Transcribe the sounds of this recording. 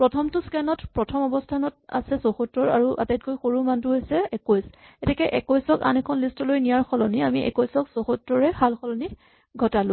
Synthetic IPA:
pɹɔtʰɔmtuskɛnɔtpɹɔtʰɔmɔbɔstʰanɔta̰sɛsoxɔtɹɔɹa̰ɹuʔa̰tajt̚kojxoɹumantʊɦojsɛɛkojsɛtikɛʔɛkojsɔka̰nɛkʰɔnlistɔlojnijaɹxɔlɔniamiʔɛ̰kojsɔksoxɔtɹɔɹɛhalxɔlɔni | ɡʱɔtalʊ̃

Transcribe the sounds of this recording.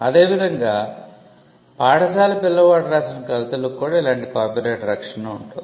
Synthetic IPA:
ɐd̪e̞ːʋid̪ʱɐŋɡaː | paːɽɐsaːlɐpilːɐʋaːʈɐɾaːsinɐkɐʋit̪ɐlokːuːɽailaːɳʈikaːɾpiɾeːʈɐɾɐkʂɐnɐuɳʈund̪i

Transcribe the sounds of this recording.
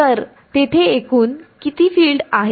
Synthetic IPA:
əɾ | t̪et̪ʰeekuːnkit̪iːfiːlɖaɦe

